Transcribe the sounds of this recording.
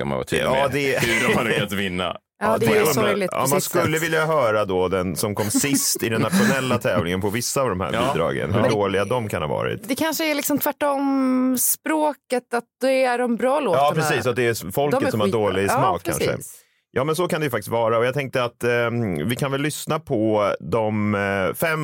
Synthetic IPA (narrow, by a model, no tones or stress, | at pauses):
ka̰ma̰n̰t̪ʰːɑːd̪ɛant̪vɪnːa̰ | d̪ɛɔlɪɔ̰mːnskɵlːəvɪljaɦœːɾad̪ɔd̪ɛnsɔmkʰɔmːsɪst̪ɪd̪ɛnːat̪ɧʊnɛlːat̪ʰɛːvlɪŋənpʰɔvɪsːaːvd̪ɔmhæ̰ɾbːd̪ɾɑ̰ːɡə̰nhʉɖoːlɪɡad̪ɔmkʰanha̰vɑ̰ːɾɪ̰t̪d̪ɛkʰanʂəælɪksɔmt̪ʰvæʈːɔmspɾoːkət̪at̪̚d̪̥ɛæɖɔmbɾɑːloːɑːpʰɾɛsiːsɔat̪̚d̪ɛɾfɔləsɔmhadoːɭɪsmɑːkʰːa̰nʂə̰ | jɑːmɛns̬ɔkand̪ɛjʏfakt̪ɪ̥st̪vɑːɾaɔjɑːt̪ʰɛŋk̚t̪əat̪vɪkʰanvɛlːʏsnapʰɔd̪ɔmfɛmː